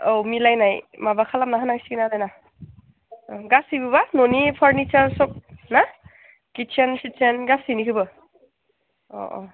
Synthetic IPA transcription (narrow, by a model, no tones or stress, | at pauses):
owmilajnajmabakʰalam̚naɦanaŋsiɡnadajna | ɡasibɯbanonipʰaɾnit͡ʃaɾsɔk̚na | kit͡ʃʰensit͡ʃʰenɡasinikʰɯbɯ | ɔ̰ʔɔ̰